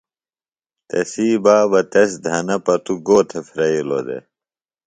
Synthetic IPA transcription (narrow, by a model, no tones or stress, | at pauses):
t̪ɐsiːbaːbɐt̪ɐs̬d̪ʱɐnɐpɐt̪uɡoːt̪ʰefɾɐilo̰d̪ḛ